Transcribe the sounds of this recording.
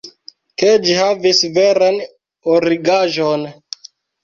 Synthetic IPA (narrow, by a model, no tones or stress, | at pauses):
ked͡ʒihavisve̞ɾan | oɾiɡaʒon